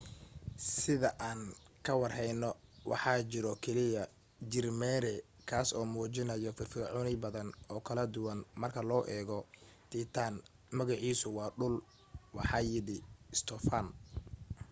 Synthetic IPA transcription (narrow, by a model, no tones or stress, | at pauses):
sɪðɐʔaːn | kʰɐwɑrhɛjnɔwʔɑ̰ħɑːt͡ʃɪɾɔkʰɛlɪjɐ | d͡ʒɪrmɛːɾɛ | kʰaːsɔːmuːt͡ʃɪnɐjɔfɪrfiːʕʊnɪbɐðɐnɔːkʰɐlɐd̪ʊwɐnmɐrkʰɐlɔːʔɛːɣɔt̪ʰit̪ʰaːn | mɐɣɑʕiːsʊwɑːɖʊl | wɑħɑːjɪɽɪst̪ʰɔfan